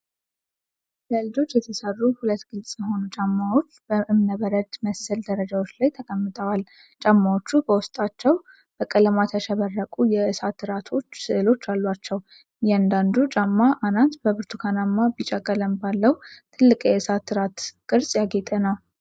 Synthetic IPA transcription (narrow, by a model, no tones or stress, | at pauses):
ləɨlɨd͡ʒo̞t͡ʃːjɛt̪ʰəsərːuhulət̪ːɡ̥ɨlsʼjɛho̞nut͡ʃʼamːawo̞t͡ʃːb̥əʔɨmnəβəɾəd̪məsəld̪əɾəd͡ʒawo̞t͡ʃːlajt̪ʰəkʼəmːɨt̪ʰʼəwal | t͡ʃʼamːawo̞t͡ʃːubəwʊst̪ʼat͡ʃːɛw | b̥əkʼələmat̪ʰəʃəβərːəkʼujɛʔɨsat̪ːɨɾat̪ʰo̞t͡ʃːsɨʔɨlo̞t͡ʃːalːwat͡ʃːɛw | jɛand̪and̪ut͡ʃʼamːaʔanant̪bəβɨɾt̪ʰukʰanamːabit͡ʃʼakʼːələmbalːəwt̪ʰɨlːɨkʼjɛɨsat̪ːɨɾat̪kʼɨɾsʼjaɡet̪ʼənəw